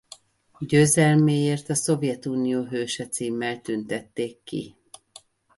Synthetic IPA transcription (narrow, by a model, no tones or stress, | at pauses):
ɟøːzɛlmeːjeːrt̪ɒso̞vjɛt̪uːnijoːɦøːʃɛt̪siːmːɛlt̪ynt̪ɛt̪ːeːk̪ːḭ